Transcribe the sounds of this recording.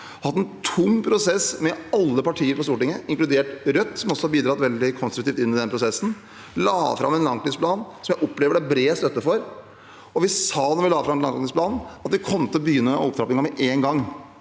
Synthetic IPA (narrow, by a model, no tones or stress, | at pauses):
hɑt̪ːɛnt̪ʰʊmːpʰɾʊsɛsmɛɑlːəpɑʈʰiːəɾpɔst̪uːʈɪŋːəɪŋklʉd̪eːʈɾœt̪ːsɔmɔsɔhɑɾbiːd̪ɾɑːt̪ʋɛld̪ɪkʰɔnst̪ɾʉkt̪iːft̪ɪnːɪd̪ɛnəpʰɾʊsɛsːn̩ | lɑ̰ːfɾɑ̰mɛnlɑnŋk̪lɪspʰlɑːnsɔmjæɪʔɔpleːʋəɖæbɾeːst̪œt̪ːəfɔɾ | ɔʋɪsɑːnɔɾʋɪlɑːəfɾɑmɛnɑŋnɪŋsplɑːnɑt̪d̪ɪkʰɔmːət̪ʰɪlɔbəjʏnːəm̰ɔpd̪ɾɑːp̪ɪŋɑmɛʔeːnɡɑŋː